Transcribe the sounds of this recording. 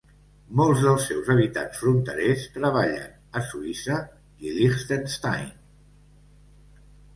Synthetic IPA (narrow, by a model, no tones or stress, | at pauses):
mɔlˠzðəlˠsːɛwzəβ̞it̪a̰nsfɾunt̪əɾest̪ɾəβ̞aʎə̰n | əsuisə | ilixst̪ənst̪a̰jn